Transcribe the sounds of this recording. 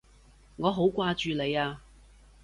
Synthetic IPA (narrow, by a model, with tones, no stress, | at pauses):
ŋɔː˨˧ɦo˨˥wkʷwaː˧t͡ʃyː˨˧le˨˧jaː˧